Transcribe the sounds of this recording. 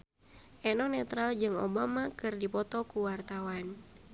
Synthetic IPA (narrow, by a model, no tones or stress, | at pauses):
ʔɛnɔnɛt̪ɾald͡ʒɨŋo̰bamakɨrdipɔt̪ɔkuwart̪awan